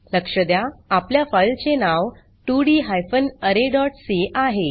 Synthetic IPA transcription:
ləkʂəd̪jaːpljafajlt͡senaʋ | ʈuɽiːɦajfənəɾeɖɔʈseʔaɦe

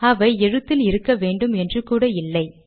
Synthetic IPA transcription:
ɐʋɐɪɛɻɯt̪ːɪlɪɾɯkːɐʋeːɳɖɯmɛndrɯkuːɽɐɪlːɐɪ

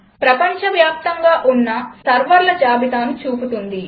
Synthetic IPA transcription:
pɾɐpɐɲt͡ʃɐʋjaːp̚t̪ɐŋɡaːʔunːɐsɐɾʋɐɾlɐd͡ʒaːbit̪aːnit͡ʃuːput̪und̪i

